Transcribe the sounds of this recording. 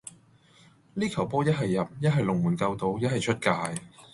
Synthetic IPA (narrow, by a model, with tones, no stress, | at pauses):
liː˥kʰɐ˨˩wpɔː˥jɐ˥t̚ɦɐ˨jːɐ˨p̚jɐ˥t̚ɦɐ˨jlʊ˨˩ŋmuː˨˩nkɐ˧wt̪o˧wjɐ˥t̚hɐ˨jt͡ʃʰɵ˥t̚kaː˧j